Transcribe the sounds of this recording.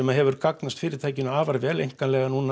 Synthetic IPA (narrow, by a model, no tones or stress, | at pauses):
ɛmaðɦɛvʏɾkaknast̪fɪːɾɪɾ̥t̪ʰaːjcɪnʏaːvaɾvɛːlejŋkanlɛɣanuna